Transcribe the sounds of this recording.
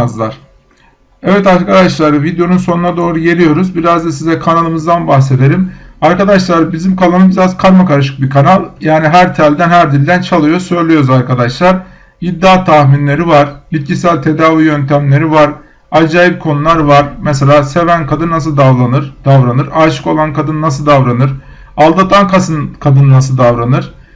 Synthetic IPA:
zlˠaɾ̥ | ɛvɛt̪aɾkʰad̪aʃlˠaɾɯvid̪ejo̞nunso̞nunad̪o̞ːɾuje̞lɾʲijo̞ɾuzbiɾazd̪asizɛkʰanalˠɯmɯzd̪anbaxse̞d̪e̞ɾimaɾkad̪aʃlˠaɾɯbizimkʰalˠanbiɾazkʰaɾmakaɾaʃ̬ɯ̥k̚bikʰanalˠjaːniɦæɾt̪ʰælʲd̪ænhæɾd̪ilʲd̪ænt͡ʃʰalˠɯjo̞sø̞jlʲyjo̞ɾuzaɾkʰad̪aʃlˠaɾ | id̪ːaːt̪ʰaxminlʲe̞ɾivaɾ̥bit̪̚cisælʲt̪ʰe̞d̪aːvijønt̪ʰæmlʲe̞ɾivaɾ | ad͡ʒaːjip̚kʰo̞nulˠaɾvaɾmɛs̬elʲaːse̞vænkʰad̪ɯnːas̬ɯlˠd̪avlˠanɯɾd̪̥avɾanɯɾaːʃɯ̥ko̞lˠankʰad̪ɯnnas̬ɯlˠd̪avɾanɯɾ | alˠd̪at̪ʰankʰasɯnkʰad̪ɯnɯnas̬ɯlˠd̪avɾanɯɾ̥

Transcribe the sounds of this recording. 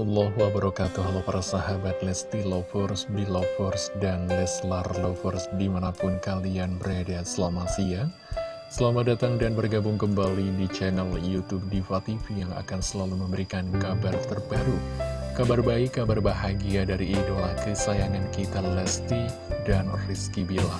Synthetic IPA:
ɔlːɔɦuwabaɾɔkat̪uɦalapaɾasaɦabat̪̚lɛst̪ilɔfɔrsdilɔfɔrsdanlɛslarlɔfɔrsdimanapʊnkalianbəɾadasəlamasia | səlamadat̪aŋdanbərɡabʊŋkəmbalidit͡ʃɛnaljut̪ub̚difat̪ifijaŋa̰kansəlaluməmbəɾikankabart̪ərbaɾukabarbaɪkːabarbaɦaɡiadaɾiːdolakisajaŋankit̪alɛst̪i | danriskibila

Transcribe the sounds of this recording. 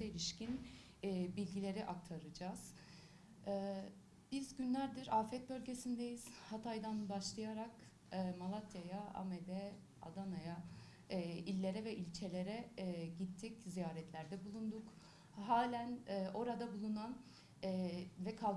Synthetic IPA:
ailʲiʃcinː | bilʲɟilʲe̞ɾiʔak̚t̪ʰaɾɯd͡ʒaːz̥ | ɛː | b̥izɟynlʲæɾd̪iɾaːfɛt̪̚bø̞lʲɟe̞sind̪ejiz̥hat̪ʰajd̪anbaʃlˠɯjaɾakː | malˠat̪ʰjajaa̰med̪ɛ | a̰d̪anajaː | ilʲːe̞ɾɛvɛʔilʲt͡ʃʰe̞lʲe̞ɾɛɟit̪ʰːiczijaːɾɛt̪ʰlʲæɾd̪ɛbulˠund̪uk | haːlʲænɛʔo̞ɾad̪abulˠunanː | vɛkʰalˠ

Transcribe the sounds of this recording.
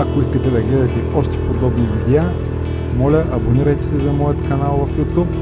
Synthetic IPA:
ɐkoiskɐt̪ɛd̪ɐɡlɛd̪ɐt̪ɛɔʃt̪ɛ̥pod̪ɔbnivid̪ɛa | mɔlʲəʔɐboniɾɐjt̪ɛsɛzɐmɔjət̪kɐnalˠvɐfjut̪up

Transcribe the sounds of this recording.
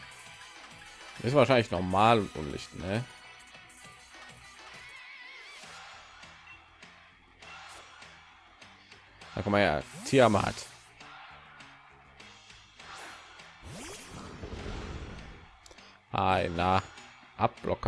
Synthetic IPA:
ʔɪsvaːʃaɪnlɪçnɔɐmaːlʊntʔʊ̰nlɪ̰çtnɛ | da̰kʰanmanja̰ːtʰiːamaha̰t | ʔaɪna | ʔap̚b̥lʔɔ̰k

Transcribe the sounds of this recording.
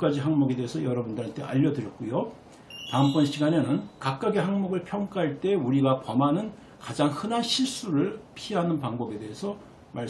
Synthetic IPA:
k͈ad͡ʑiɦaŋmuɡe̞de̞esʰʌjʌɾʌbundɯɾant͈ʰe̞̰ʔa̰ʎːʌdɯɾjʌt̚k͈ujo | taɯmp͈ʌnɕʰiɡane̞nɯnkak̚k͈aɡeɦaŋmuɡɯɭpʰjʌŋk͈aɦaɭt͈e̞uɾiɡapʌmanɯn | kad͡ʑaŋhɯnanɕʰiɭs͈uɾɯɭpʰiɦanɯnpaŋbʌbe̞de̞esʰʌ | maɭ

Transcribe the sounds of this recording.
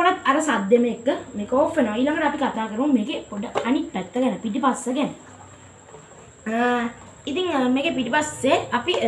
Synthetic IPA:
onɐt̪ɐɾəsad̪jemeekːəmeːkoːfenoʋaiːlaŋɡəʈəapikat̪aːkəɾəʋummeːɡepoɖːəɐnippɛt̪ːəɡɛnəpiʈipasːəɡɛnə | it̪iŋmeːɡepiʈipasːeɐpi

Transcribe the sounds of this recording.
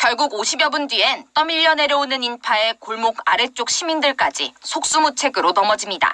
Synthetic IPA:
kjʌɭɡuɡoɕʰibjʌbundɥient͈ʌmiʎːʌne̞ɾjʌonɯninpʰae̞koɭmokaɾet͡ɕ͈ok̚ɕʰimindɯɭk͈ad͡ʑisʰok̚s͈umut͡ɕʰe̞ɡɯɾonʌmʌd͡ʑimɲida̰

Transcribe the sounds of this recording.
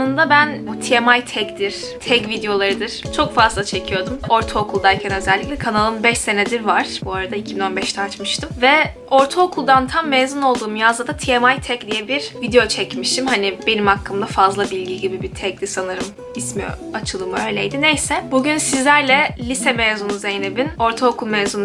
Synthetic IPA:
nɯnd̪abænbut̪ʰiɛmajt̪ʰɛcd̪iɾ̥ | t̪ʰɛcvid̪ejo̞lˠaɾɯd̪ɯɾ̥t͡ʃʰokfazlˠat͡ʃʰe̞cʰijo̞d̪umo̞ɾt̪ʰookʰulˠd̪aɾcʰɛnø̞zɛlʲːiclʲɛkʰanalˠɯnbɛʃse̞nɛd̪iɾvaɾ̥buaɾad̪aicʰibino̞nbɛʃt̪ʰɛat͡ʃmɯʃt̪ʰɯmvɛ | o̞ɾt̪ʰookʰulˠd̪ant̪ʰamːezano̞lˠd̪uːmjazˠad̪at̪ʰiɛmajt̪ʰɛcd̪ijɛbiɾ̥vid̪ejo̞t͡ʃʰɛcmiʃt̪ʰimhanibe̞nimakʰːɯmd̪afazlˠabilʲɟiɟibibit̪ʰɛcd̪ʲisanɯɾɯm | ismijo̰at͡ʃʰɯlˠɯmøjlʲejd̪inejsɛbuɟynsizlʲæɾlʲɛlʲisɛmeːzunuzejinebino̞ɾt̪ʰookʰulˠmeːzun

